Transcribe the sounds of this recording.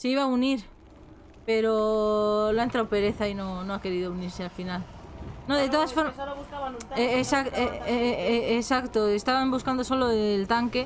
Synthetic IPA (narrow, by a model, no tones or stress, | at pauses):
seiβauniɾ | pe̞ɾo | loaent̪ɾawpe̞ɾe̞θainonoake̞ɾiðouniɾsealfinalnoðet̪oðasfoɾaesak | esakt̪oest̪aβambuskand̪oso̞loelt̪aŋke